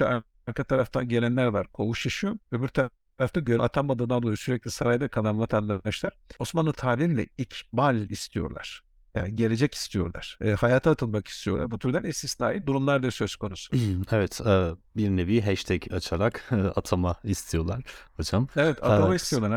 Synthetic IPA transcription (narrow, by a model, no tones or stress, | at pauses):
a | aɾkʰat̪ʰaɾaft̪ʰanɟe̞lʲɛnʲæɾvaɾkʰouʃaʃuovɛbiɾt̪ʰa | aɾaft̪aɟøɾa̰t̪ʰambad̪ɯnd̪alˠujoɾsyɾɛc̚lʲisaɾajd̪akʰad̪amlˠat̪ʰanlaɾaʃlʲˠaɾ̥osmanlˠɯt̪ʰaːlʲiilʲɛ̰icʰmalʲist̪ʰijoɾlˠa̰ɾ̥ | ja̰ɟe̞lʲe̞d͡ʒɛci̥st̪ʰijo̞̰ɾlˠa̰ɾ̥hajaːt̪ʰaːt̪ʰɯlˠmaki̥st̪ʰijolˠa̰ɾbut̪ʰyɾd̪ænist̪isnaːjid̪uɾumlˠaɾd̪asøskʰo̞nusu̥evɛt̪ɛbiɾneviɦɛʃt̪ʰɛcʰat͡ʃʰaɾakːat̪ʰamaist̪ʰijo̞lˠaɾ̥hod͡ʒamevɛt̪ʰat̪amaist̪ʰijo̞lˠaɾ